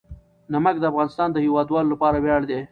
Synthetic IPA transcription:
naməkd̪əafɣɑːnɪst̪ɑːnd̪əhiwɑːd̪wɑːlolapɑɾawjɑɽd̪e

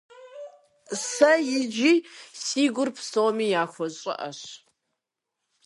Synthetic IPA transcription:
sɐjɪd͡ʒiːsiːɡʷʊrpʰsomiːjaːxʷɔɕʼɐ̰ʔɐ̰ɕ

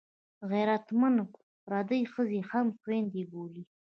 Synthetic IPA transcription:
ɣajɾat̪manp | ɾɑd̪əjxəzehamxwend̪eboli

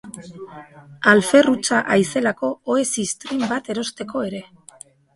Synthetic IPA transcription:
alfe̞rut͡saʔajse̞lako̞oe̞sist̪ɾimbat̪e̞ɾo̞st̪e̞ko̞e̞ɾe̞

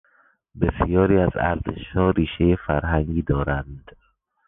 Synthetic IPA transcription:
besjɒːɾiːæzæ̰ɾzḛʃhɒːɾiːʃejefæɾɦæŋɡiːd̪ɒːɾænd̪̥

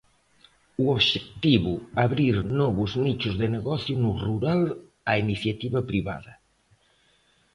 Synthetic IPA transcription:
uoβʒek̚t̪iβuaβɾiɾnɔβuznit͡ʃuzðeneɣɔθjunuruɾal | ainiθjat̪iβɐpɾiβa̰ðɐ

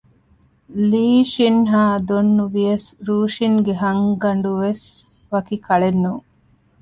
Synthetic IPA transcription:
liːʃinɦaːd̪onːuʋiɐsɾuːʃiŋɡeɦɐŋɡɐɳɖuʋes | ʋɐkikɐɭenːuː

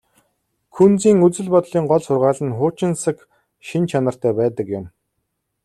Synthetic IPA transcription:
kʰunt͡siːŋɵt͡sɘ̆ɮpɔt̪ɮiːŋɢɔɮsʊrʁaːɮə̆nχʊːt͡ɕɪ̆nsə̆k | ʃint͡ɕʰanə̆r̥t̪æːpæːt̪ə̆kjʊm

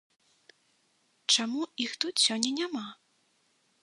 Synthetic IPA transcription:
t͡ʂamuixt̪ut̪sʲɔnʲːɛnʲama

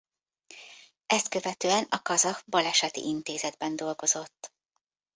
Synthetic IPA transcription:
ɛst̪̚kø̞vɛt̪øːɛnɒkɒzɒkbɒlɛʃɛt̪ḭʔint̪eːzɛd̪bɛnd̪o̞lɡo̞zo̞t̪ː

